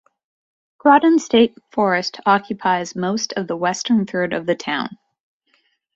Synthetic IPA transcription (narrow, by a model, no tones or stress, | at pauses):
ɡ̥ɹɑdn̩steɪtfɔɹɨstʰɑkʰjɨpʰaɪzmoʊstʰʌvðəwɛstə̃˞nθɜ˞ɾʌ̰vðɨtʰãʊ̃n